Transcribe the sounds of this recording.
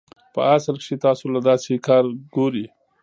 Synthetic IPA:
pə̰asəlkʃet̪ɑːsolad̪ɑsekɑːɾɡoɾi

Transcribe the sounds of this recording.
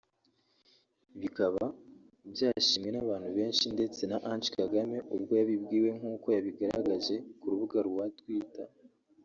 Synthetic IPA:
βikaβa | ibjaːʃiːmŋwe̞naβaːn̥huβe̞ːnʃinde̞t͡se̞naʔant͡ʃkaɡame̞ʔubɡo̞jaβibɡiːwe̞ŋuːko̞jaβiɡaɾa̰ɡaʒe̞kuɾuβuɡaɾuwatwiːta

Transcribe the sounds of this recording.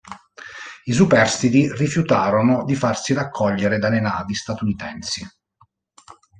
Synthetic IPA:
is̬upɛrst̪it̪irifjut̪aːɾonod̪ifarsiɾakʰːɔʎːeɾed̪alenaːvist̪at̪unit̪ɛnsi

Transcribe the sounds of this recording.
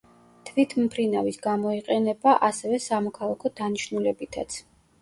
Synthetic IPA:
t̪ʰvit̪ʰmpʰɾinavisɡamɔiqʼɛnɛbaʔasɛvɛsamɔkʰalˠakʰɔd̪aniʃnulɛbit̪ʰa̰t̪sʰ

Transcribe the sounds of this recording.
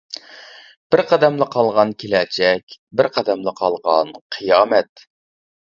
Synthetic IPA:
b̥ɪɾqɑd̪ɛmlˠɨqʰɑlˠʁɑnkʲʰelɛt͡ʃʰɛkʲbɪɾqʰɑd̪ɛmlˠɨqʰɑlˠʁɑnqʰɨjɑːmɛt̪

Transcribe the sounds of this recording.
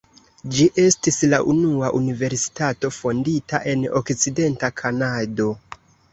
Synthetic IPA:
d͡ʒiʔe̞stislaʔunuaʔunive̞ɾsi̥tato̞fo̞nditaʔe̞no̰kt͡side̞ntakʰanado̞

